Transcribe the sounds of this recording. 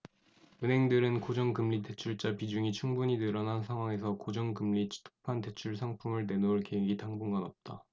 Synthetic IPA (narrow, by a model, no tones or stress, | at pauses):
ɯnɦe̞ŋdɯɾɯnkod͡ʑʌŋkɯmʎite̞t͡ɕʰuɭt͡ɕ͈apid͡ʑuŋit͡ɕʰuŋbuɲinɯɾʌnɦansʰaŋwaŋe̞s̬ʰʌkod͡ʑʌŋkɯmlit͡ɕʰi̥tʰo̥pʰante̞t͡ɕʰuɭsʰaŋpʰumɯɭne̞noɯɭkeeɡitaŋbuŋɡanʌp̚t͈a